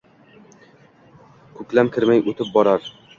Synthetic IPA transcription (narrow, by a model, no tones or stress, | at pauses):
kʰɵkʲlamkʲʰɪɾmajot̪ɪp̚bɒɾaɾ